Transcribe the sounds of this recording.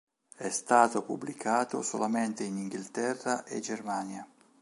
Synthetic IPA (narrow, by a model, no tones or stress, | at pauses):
ɛst̪aːt̪opṵbːlikʰaːt̪o̰solament̪einiŋɡilt̪ɛrːaʔḛd͡ʒermaːnja